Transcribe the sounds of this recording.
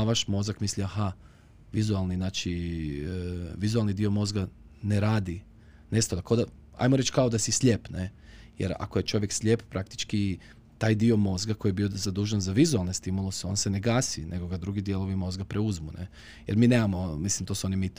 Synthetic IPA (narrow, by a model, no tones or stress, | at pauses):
ʋaʃmo̞zakmisliaha | ʋizualˠninaːt͡ʃi | ʋizualˠnid̪io̞mo̞zɡa | neɾaːd̪i | nest̪od̪akod̪a | a̰jmoɾe̞t͡ʃkaod̪asislʎʲepnejḛɾa̰koje̞t͡ʃo̞ʋjeksʎʲe̞ppɾakt̪i̥t͡ʃki | t̪aːjd̪io̞mo̞zɡakojijebiozad̪uːʒanzaʋizualˠne̞st̪imulˠuseo̞̰ːnsene̞ɡaːsḭnʔeɡoɡad̪ɾuɡid̪je̞lo̞ʋimo̞zɡapɾeuzmune | jḛɾmiːne̞ːmamomislimt̪o̞suo̞nimit̪